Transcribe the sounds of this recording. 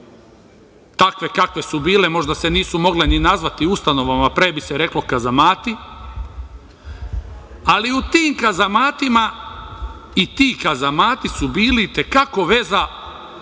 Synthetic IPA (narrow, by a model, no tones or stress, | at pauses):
t̪akʋe̞kakʋe̞subiːle̞mo̞ʒd̪ase̞niːsumo̞ɡleninazʋat̪iust̪ano̞ʋamapɾebiseɾe̞klo̞kazamaːt̪i | aliut̪iːmkazamaːt̪ima | it̪iːkazamaːt̪isubiːlit̪ekako̞ʋe̞za